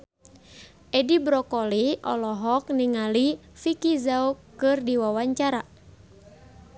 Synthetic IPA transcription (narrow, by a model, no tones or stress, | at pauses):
ʔɛdibɾɔkɔliʔɔ̰lɔɦɔk̚niŋalifikizaukɨrdiwawaɲt͡ʃaɾa